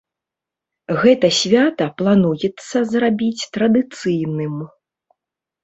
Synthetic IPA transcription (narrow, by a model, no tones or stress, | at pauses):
ɣɛt̪ɐsʲvʲat̪ɐplˠanujɛt̪sːɐzrabʲit͡sʲt̪ɾɐd̪ɨt̪sɨjnɨm